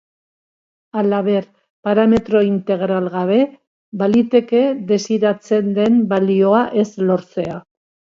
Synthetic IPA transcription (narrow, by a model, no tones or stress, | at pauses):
alaβe̞ɾ | paɾame̞t̪ɾo̞int̪e̞ɣ̞ɾalɣaβ̞e̞ | balit̪e̞ke̞ðe̞siɾat͡se̞nd̪e̞mbalio̞aʔe̞slo̞ɾt͡se̞a